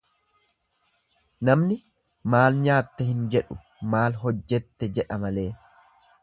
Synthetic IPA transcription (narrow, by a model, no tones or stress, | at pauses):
nɐmnɪ | maːlɲaːt̪ːɛhɪnd͡ʒɛᶑʊ | maːlɦɔd͡ʒːɛt̪ːɛd͡ʒɛᶑɐmɐle̞ː